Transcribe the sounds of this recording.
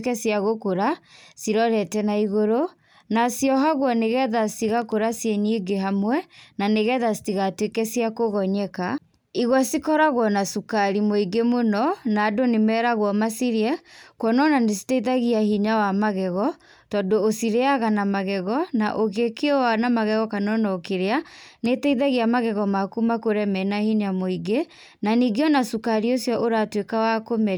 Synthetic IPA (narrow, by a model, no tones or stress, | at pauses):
kɛsiaɣokoɾasiɾɔɾɛtɛnaiɣoɾo | nasjɔɦaɣwɔneɣɛðasiɣakoɾasjenieɡeɦamwɛnaneɣɛðasi̥tiɣatwekɛsiakoɣɔɲɛka | iɣwɔsikɔɾaɣwɔnasukaɾimoiɡemonɔnaːdonemɛɾaɣwɔmasiɾiɛkwɔnɔnanesi̥tɛiðaɣiahiɲawamaɣɛɣɔ | tɔdoːsiɾeaɣanamaɣɛɣɔnaʔoɣekeɔwanamaɣɛɣɔkanɔnɔokeɾeanetɛiðaɣiamaɣɛɣɔmakumakoɾɛmɛnahiɲamoiɡe | naniɡeɔnasukaɾiosjɔʔoɾatwekawakomɛ